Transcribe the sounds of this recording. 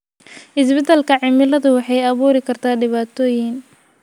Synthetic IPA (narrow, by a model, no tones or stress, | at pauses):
ʔɪsbɪt̪ʰɐlkʰɐʕɪmɪlɐðʊwɑħɑjɐβuːɾɪkʰɐrt̪ʰaːɖɪβaːt̪ʰɔːjɪŋ